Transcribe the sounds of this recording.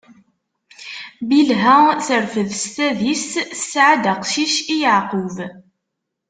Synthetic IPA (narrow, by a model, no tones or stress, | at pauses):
bilɦæθəɾfəðst̪æðissʕad̪aqʃiʃijəʕqʊv